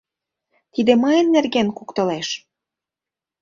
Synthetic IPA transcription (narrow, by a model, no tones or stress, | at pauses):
t̪id̪emɤjənːerɣenkukt̪ɤ̆leʃ